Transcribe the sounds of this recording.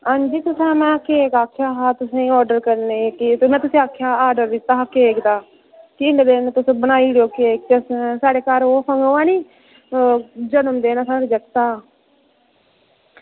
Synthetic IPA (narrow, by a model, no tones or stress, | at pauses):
ãːnd͡ʒiːt̪ʊsɛ̃ːmɛ̃ːkeːkaːkʰːjaːɦaːt̪ʊsẽːɔːɾɖəɾkəɾneːkɪt̪mɛ̃ːt̪ʊsẽːaːkʰːjaːaːɾɖəɾd̪ɪt̪ːaːɦaːkeːkd̪aː | kɪɪɳɖd̪eːnt̪ʊsbənaːiːɽoːkeːk̚t̪ssaːɽeːkaːɾoːpʰəŋɡoaːniː | d͡ʒənəmd̪eːnaːsaːɽed͡ʒəkt̪aː